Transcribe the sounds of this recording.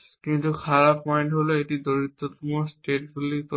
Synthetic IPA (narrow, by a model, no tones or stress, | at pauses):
kintukʰaɹapɔjntɦoloetidoɹit̪ːɔtmɔɹstetfulit